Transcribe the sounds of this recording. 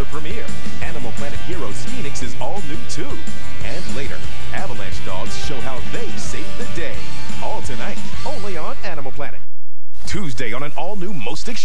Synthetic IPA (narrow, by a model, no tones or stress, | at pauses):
ə˞pʰɹ̥ɨmɪɹ | ænəml̩ˠpʰl̥ænɨt̚hiɹoʊspĩnɨksɨzɔlˠnʉtʰu | ʔɨ̃nleɪɾə̰˞ | ʔævəlˠæ̰̃nt͡ʃd̥ɔ̰ɡz̥ʃoʊɦaʊðeɪ̥seɪvðɨdeɪ | ʔɔlˠtʰɨnaɪɾ | õʊ̃nliə̃nænəml̩ˠpʰl̥ænɨ̰t̚ | tʰʉzdeɪə̃nɨ̃nɔlˠnumoʊstɨkʃ